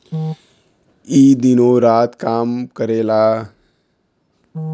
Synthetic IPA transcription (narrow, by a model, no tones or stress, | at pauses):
iːd̪ɪnoːɾaːt̪kaːmkəɾeːlaː